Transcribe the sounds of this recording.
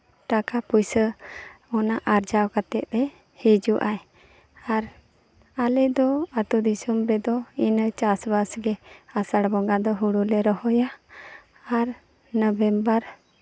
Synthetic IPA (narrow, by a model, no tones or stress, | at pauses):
ʈakapujsə | ɔnaʔaɾd͡ʒawkat̪ɛt̪̚ˀɾɛ | hed͡ʒuʔaj | aɾ | alɛd̪ɔat̪ud̪isumɾɛd̪ɔint͡ʃasbasɡɛasaɽbɔŋɡad̪ɔɦuɽulɛɾɔɦɔjaː | ɾ | nəbɛmbəɾ